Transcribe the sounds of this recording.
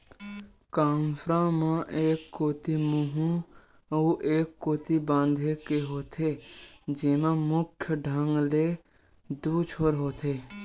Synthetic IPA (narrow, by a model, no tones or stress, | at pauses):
kaːnfʰɾãmãʔeːkːoːt̪imuɦũ | uʔeːkːoːt̪ibãːnd̪ʱeːkeɦoːt̪ʰed͡ʒeːmãmʊkʰjəɖʱəŋɡleː | d̪uːt͡ʃʰoːɾɦoːt̪ʰeː